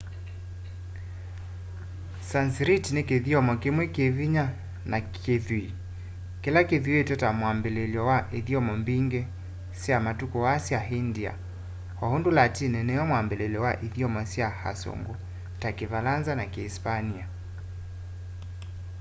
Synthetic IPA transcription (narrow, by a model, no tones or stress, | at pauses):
sansɾitnekeðiɔmɔkemwɛkeviɲa | nakʰeðwi | kɛlakeðietɛtamwambɛlɛlɔwaʔiðiɔmɔmbiŋɡɛ | siamatukɔwasiaɦindia̰ | hɔhondulatinɛnɛjɔmwambɛlɛlɔwaʔiðiɔmɔsiaha̰sɔ̰ŋɡu | takivalanzanakeːspania